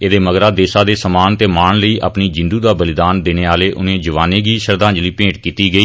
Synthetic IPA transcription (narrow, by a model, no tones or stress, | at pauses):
eːd̪eːməɡɾaːd̪eːsaːd̪eːsəmaːnt̪eːmaːɳləiːʔa̰ːpniːd͡ʒɪnd̪uːd̪aːbəlɪd̪aːnd̪eːneːaːleːʔʊ̰nẽːd͡ʒəʋaːneːɡiːʃəɾd̪ãːɲd͡ʒliːpẽːʈkiːt̪iːɡəiː